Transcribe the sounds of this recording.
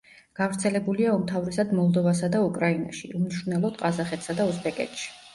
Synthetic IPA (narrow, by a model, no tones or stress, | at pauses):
ɡ̥avɾt̪sʰɛlɛbuliaumt̪ʰavɾɛsad̪mɔlˠd̪ɔvas̬ad̪aukʼɾainaʃḭumniʃɾunɛlˠɔd̪̥qʼazaχɛt̪ʰsad̪ausbɛkʼɛ̰t̪ʃi̥